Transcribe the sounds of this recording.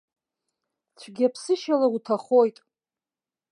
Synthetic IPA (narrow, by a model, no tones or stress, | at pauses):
t͡ɕʷʰɡʲapʰsɨʃalautʰaχojtʼ